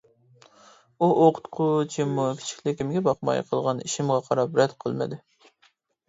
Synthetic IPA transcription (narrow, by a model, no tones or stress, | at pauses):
uʔoqʰʊ̥t̪qʰʊt͡ʃʰimːukʲʰi̥t͡ʃʰi̥kʲlɪkʲimɡʲɛbɑqmɑ̰jqʰəlˠʁɑniʃimʁɑqʰɑɾɑpɾɛd̪qʰəlˠmɨ̰d̪ɪ